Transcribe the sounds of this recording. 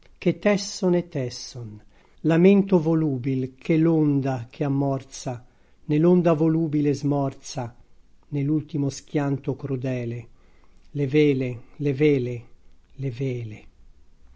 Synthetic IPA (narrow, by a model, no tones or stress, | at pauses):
k̟et̪ːɛsːonɛt̪ːɛsːon | lament̪ovoluːbilkʰelond̪ak̟ʰeamːɔrt̪sa | nelond̪avoluːbilezmɔrt̪sa | nelult̪imosk̟jant̪okɾud̪ɛːle | leveːleleveːleleveːle